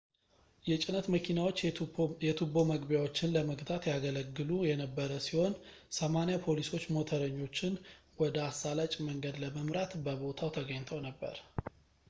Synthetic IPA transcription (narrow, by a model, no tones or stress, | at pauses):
jɛt͡ʃʼɪnət̪məkʰinawot͡ʃːjɛt̪ʰubo̞məɡbjawo̞t͡ʃːɪnləməɡt̪ʰʼat̪jaɡələɡːɨlujɛnəbːəɾəsiho̞n | səmanijapʰo̞liso̞t͡ʃːmo̞t̪ʰəɾəɲːo̞t͡ʃːɪn | wɔd̪əasːalat͡ʃʼməŋɡəd̪ləməmɾat̪bəβo̞t̪ʰawt̪ʰəɡəɲt̪ʰəwnəbːə̰ɾ